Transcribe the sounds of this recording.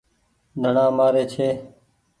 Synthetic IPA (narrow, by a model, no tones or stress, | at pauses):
d̪ʱəɳãːmaːɾeːt͡ʃʰeː